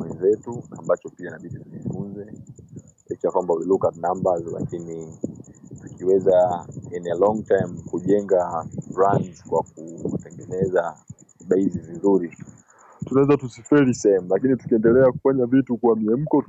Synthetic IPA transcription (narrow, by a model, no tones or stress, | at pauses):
wɛnzɛtunambat͡ʃɔpianaɓiɗituʄifunzɛ | ɛt͡ʃakwambawilukanambazla̰kini | tukiwɛzainɛlɔŋtajmkuʄɛŋɡaɾant͡ʃkwak̚utɛŋɡɛnɛza | ɓaizivinzuɾi | tunawɛzatusifɛɾisɛɛmulakinitu̥kiɛndɛlɛaku̥faɲavitukuwamiɛm̩kɔ